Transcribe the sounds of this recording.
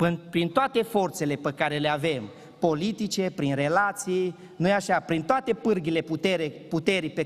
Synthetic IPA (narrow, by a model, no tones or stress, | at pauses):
pɨnpɾint̪oat̪e̞fo̞rt̪se̞le̞pəkaɾe̞le̞ave̞m | po̞lit̪it͡ʃe̞pɾinre̞lat̪sij | nujaʃapɾint̪oat̪e̞pɨrɡʲile̞put̪eɾeput̪e̞ɾipe